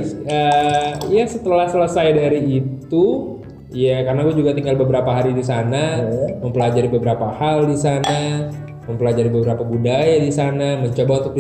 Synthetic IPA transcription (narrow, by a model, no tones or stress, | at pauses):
əjasət̪əlahsələsajdaɾiːt̪u | jakarnaɡuad͡ʒuɡat̪iŋɡalbəbəɾapaɦaɾidisanaməmpəlad͡ʒaɾibəbəɾapahaldisana | məmpəlad͡ʒaɾibəbəɾapabudajadisanaməɲt͡ʃobaunt̪ʊk̚di